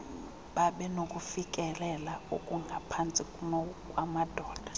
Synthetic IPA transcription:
ɓaɓɛnokʼufikʼɛlɛlaokʼuŋɡʱapʰant͡sʼikʼunɔkʼwamad̥ʱɔːd̥ʱḁ

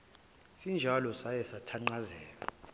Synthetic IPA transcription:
sind͡ʒʱalɔsajɛsatʰaŋ͡ǃazɛːla̰

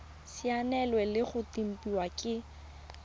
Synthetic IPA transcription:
sianɛlwɛlɪχʊtim̩pʼiwakʼɪ

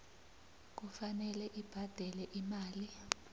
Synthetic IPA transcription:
k̬ufanɛlɛʔib̥ʱad̥ʱɛlɛʔimaːli

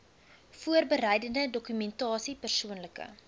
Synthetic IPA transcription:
fuərbəɾɛjdəndədɔkymɛntɑːsipərsuənləkə̰

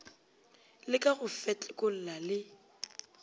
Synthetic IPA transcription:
lɪkʼaɣʊfɛt͡ɬʼɛkʼʊl̩lalɪ

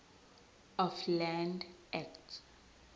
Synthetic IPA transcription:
ɔflɛndɛktʰ

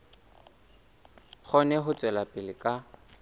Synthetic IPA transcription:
k͡xʰɔnɛɦʊt͡sʼwɛlapʼɪlɪkʼa

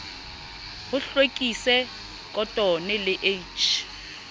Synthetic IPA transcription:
hʊɬwekʼisɛ | kʼɔtʼɔnɛlɪʔet͡ʃʰ

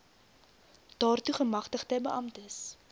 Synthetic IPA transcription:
d̥ɑːrtuχəmɐχtəχtəbəʔɐmtəs

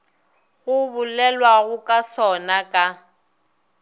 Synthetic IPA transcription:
ɣʊbʊlɛlwaɣʊkʼasɔnakʼa

